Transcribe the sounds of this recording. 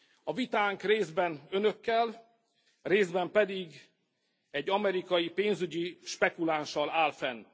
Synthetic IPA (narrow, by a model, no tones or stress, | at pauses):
ɒvit̪aːŋkreːzbɛnønø̞kːɛl | reːzbɛmpɛd̪iɡ | ɛɟːɒmɛɾikɒjipeːnzyɟiʃpɛkulanʃɒlaːlfɛn